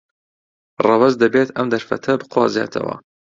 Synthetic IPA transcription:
rɑwɐzd̪ɐbet̪ʰɐmd̪ɐɾfɐ̰t̪ʰɐbɨqwɑ̰ːzeːt̪ʰɐ̰wɐ̰

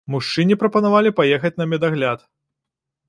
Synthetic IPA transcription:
muʂt͡ʂɨnʲipɾɐpɐnavalʲipajɛxɐt͡sʲnɐmʲɛd̪aɣlʲat̪

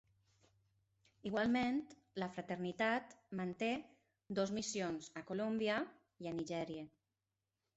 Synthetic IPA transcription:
iɣ̞walˠmẽnt̪ | ləfɾat̪eɾnit̪at̪mant̪e | d̪ozmisionzakolombiə | ianiʒɛɾiə

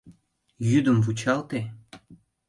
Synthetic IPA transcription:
jyd̪ə̆mvut͡ɕɑlˠt̪e

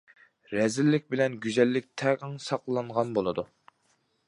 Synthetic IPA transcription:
ɾɛzɪlːɪkʲbɪlɛnɡʲyzɛlːɪk̚ʲt̪ʰɛʁəŋsɑqlˠɑɴʁɑnbolˠɨd̪u

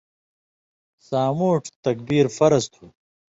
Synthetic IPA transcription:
saːmuːʈʰt̪ɐk̚biːɾfɐɾɐst̪ʰuː

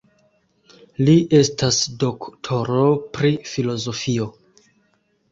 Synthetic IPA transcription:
liʔe̞stasdo̞ktʰo̞ɾo̞pɾifilo̞zo̞fio̞

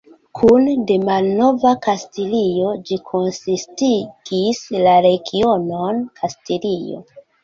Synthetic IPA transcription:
kʰunde̞malno̞vakastilio̞d͡ʒikʰo̞nsistiɡ̥islaɾe̞ɡiononkʰastilijo̞̰

